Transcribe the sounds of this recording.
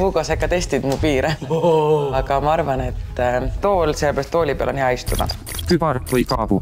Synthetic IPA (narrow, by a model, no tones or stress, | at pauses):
kuɡosekːɑt̪e̞st̪id̪̥mupiːɾe | ɑɡ̥ɑmɑɑɾvɑne̞t̪ːt̪o̞ːlselebeɾɑst̪ːo̞ːlʲipeɑ̰leniɑjst̪ud̪ɑ̰̥ | kybɑɾvɯjkɑːvu